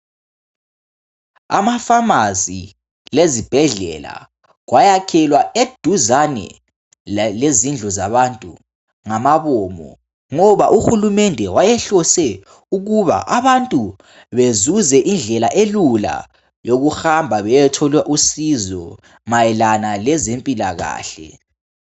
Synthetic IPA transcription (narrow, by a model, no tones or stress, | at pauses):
a̰mafamazḭ | lezib̥ʱɛɮɛ̰la̰ | ɣwajakʰɛlwaed̥ʱuzanɛ̰ | lezind͡ɮʱɔzaβantʼṵ | ŋamaβɔmɔ̰ | ŋɔβaʔuxulumɛndʱɛwajɛɬɔsɛ | uɣuβa̰ʔaβantʼu | βezuzɛʔind͡ɮʱɛlaʔelula̰ | joɣuxambʱaβɛjɛtʰɔlwɛʔusizɔ | majɛlanalɛzempʼilaɣa̰ːɬɛ̰